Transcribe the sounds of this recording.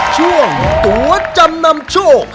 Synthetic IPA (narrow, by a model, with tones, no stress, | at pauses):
t͡ɕu˥˩əŋ˨˩t̪u˨˦ət͡ɕa˧mna˧mt͡ɕo˥˩